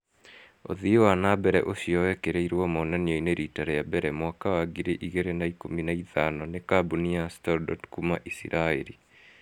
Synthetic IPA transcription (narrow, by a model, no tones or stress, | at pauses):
o̰ðiowanabɛɾɛ̰ʔoʃiɔwɛkeɾeiɾwɔmɔnanjoineɾitaɾejabɛɾɛmwakawaɡiɾeʔiɣeɾenaikominaiðanɔnekabuniastɔɾdɔtkumaʔisḭɾʔaeɾi